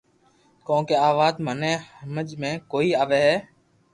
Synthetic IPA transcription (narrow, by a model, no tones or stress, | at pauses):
kõːkeːaːʋaːd̪mənẽːhəməd͡ʒmẽːkoːiːaːʋeːɦɛː